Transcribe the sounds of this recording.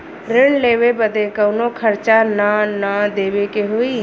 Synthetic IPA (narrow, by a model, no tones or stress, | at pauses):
ɾɪɳleːʋebəd̪ekəwnokʰəɾt͡ʃananad̪eːʋekeɦʊiː